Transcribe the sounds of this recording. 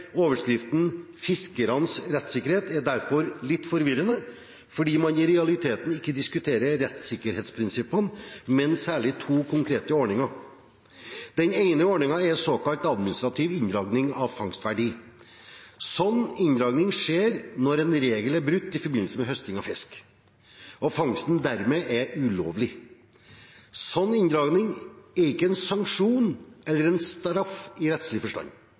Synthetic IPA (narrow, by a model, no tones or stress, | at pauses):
oːʋəʂkɾɪft̪n̩ | fɪskəɾɑnsɾɛt̪ːsɪkːəɾheːt̪æɖæɾfɔɾlɪt̪ːfɔɾʋɪɾənə | fɔɖiːmɑnɪɾɛɑlɪt̪ʰeːt̪n̩ɪkːəd̪ɪskʉt̪ʰeːɾəɾɛt̪sɪkːəɾheːt̪spʰɾɪnsɪpːənmɛnsæːɭɪt̪ʰuːkʰʊŋkʰɾeːt̪əɔɳɪŋɑɾ | d̪ɛneɪnəɔɳɪŋɑɛɾsoːkɑlt̪ɑd̪mɪnɪst̪ɾɑt̪ʰiːʋɪnd̪ɾɑːɡnɪŋɑʋfɑŋst̪ʋæɖiː | sɔnːɪnd̪ɾɑːɡnɪŋʂeːɾnɔɾɛnɾeːɡəlæɾbɾʉt̪ːɪfɔɾbɪnl̩səmɛɦœst̪ɪŋɑfɪsk | ɔfɑŋst̪nd̪æɾmeːʔɛɾʉloːʋlɪ | sɔnːɪnd̪ɾɑːɡnɪŋæɾɪkːəɛnsɑŋkʂuːnɛlːəɾɛnst̪ɾɑfɪɾɛt̪slɪfɔʂʈɑ̰nː